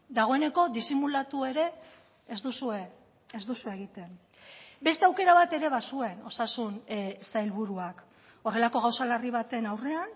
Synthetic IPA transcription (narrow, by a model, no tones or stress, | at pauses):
d̪aɣ̞o̞e̞ne̞ko̞d̪isimulat̪ue̞ɾe̞ː | zd̪usue̞ | ezd̪usue̞ɣ̞it̪e̞n | be̞st̪eawke̞ɾaβat̪e̞ɾe̞β̞asue̞no̞sasunsajlβuɾuak | o̞re̞lako̞ɣ̞awsaleriβ̞at̪e̞nawre̞an